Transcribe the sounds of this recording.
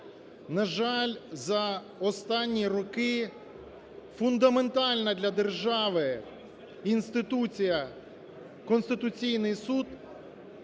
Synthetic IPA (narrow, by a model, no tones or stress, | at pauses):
nɐʒɑlʲzɐ | ɔst̪ɑnʲːirɔkɪ | fʊnd̪ɐment̪ɑlʲnɐd̪lʲɐd̪erʒɑʋɪ | inst̪ɪt̪ut͡sʲijɐ | kɔnst̪ɪt̪ʊt͡sʲijnɪjsud̪